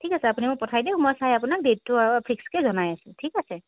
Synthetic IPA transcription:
ʈʰikaseapunemɔ̃pɔtʰajd̪eumɔjsajapunak̚deʈ̚ːupʰikskezɔnajasʰũʈʰikase

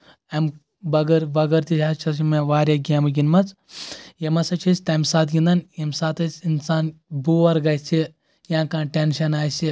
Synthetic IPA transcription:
ɐm | bɐɡɐɾʋɐɡɐɾt̪it͡ʃʲaːt͡ʃʰɐsimeʋaːɾʲjaɡʲamɐɡʲinmɐt͡s | jɐmɐsɐt͡ʃʰɐsʲt̪ɐmʲsaːt̪ɡʲĩnd̪ɐnjɐmsaːt̪ɐsʲinsaːnbuʋɐɾɡɐjt͡ʃʰi | jãːkãːʈʲenʃɐnaːjsi

